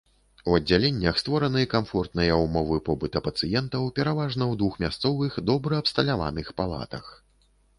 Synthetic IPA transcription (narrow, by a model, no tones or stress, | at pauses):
uɐd͡zʲːalʲɛnʲːɐxst̪vɔɾɐnɨkamfɔrt̪̚nɨjɐumɔvɨpɔbɨt̪ɐpɐt̪sɨjɛnt̪ɐwpʲɛɾavaʐnɐwd̪vuxmʲast̪sɔvɨxd̪ɔbɾɐːpst̪ɐlʲava̰nɨxpalˠa̰t̪ɐ̰x